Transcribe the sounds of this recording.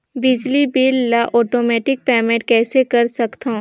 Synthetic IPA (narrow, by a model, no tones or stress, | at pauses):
bɪd͡ʒlibiːlːaʔɔːʈoːmɛːʈɪk̚pɛːmẽʈ̚kɛːsekɐɾsɐkt̪ã